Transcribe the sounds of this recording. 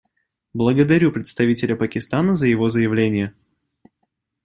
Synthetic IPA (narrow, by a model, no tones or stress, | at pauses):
blˠəɡəd̪ɐɾʲupɾʲɪt̪st̪ɐvʲitʲɪlʲəpəkʲɪst̪anəzəjɪvo̞zəjɪvlʲenʲɪjə